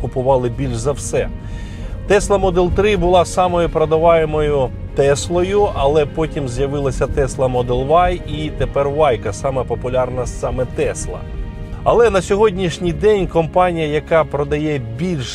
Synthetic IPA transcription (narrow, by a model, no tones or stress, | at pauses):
kʊpʊʋɑlˠɪbʲilʲʃzɐwsɛ | t̪ɛslˠɐmɔd̪ɛlˠt̪ɾɪbʊlˠɑsɑmɔjʊpɾɐd̪ɐʋɑjemɔjʊ | t̪ɛslˠɔjʊɐlˠɛpɔtʲimzʲjɐʋɪlˠɐsʲɐt̪ɛslˠɐmɔd̪ɛlˠʋɑjit̪epɛrʋɑjkɐsɑmɛpɔpʊlʲɑrnɐsɑmɛt̪ɛslˠɐ̰ | ɐlˠɛnɐsʲɔɦɔdʲnʲiʃnʲijd̪ɛnʲkɔmpɑnʲijɐjɐkɑpɾɔd̪ɐjɛbʲilʲʃ